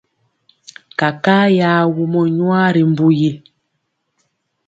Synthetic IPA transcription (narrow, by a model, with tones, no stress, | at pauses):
ka˨kaː˦ja˦wu˦mɔ˦ɲwa˦ɾi˨m˦bu˦ji˨